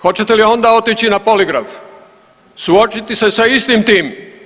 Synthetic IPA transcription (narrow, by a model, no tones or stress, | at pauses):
xo̞t͡ɕet̪elio̞nd̪ao̞t̪it͡ɕinapo̞liɡɾaf | suo̞t͡ʃit̪ise̞saist̪imt̪iːm